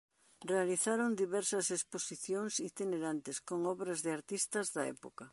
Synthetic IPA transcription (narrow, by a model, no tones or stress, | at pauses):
realiθaɾond̪iβɛɾsɐsesposiθjoŋsit̪ineɾant̪ɪskoŋɔβɾɐzðeaɾt̪ist̪ɐzðɐɛ̰pokɐ